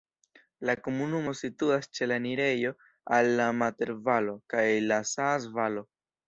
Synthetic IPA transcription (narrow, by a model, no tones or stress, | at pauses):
lako̞munumo̞situast͡ʃe̞laniɾe̞jo̞ | alːamate̞ɾvalo̞kajlasasvalo̞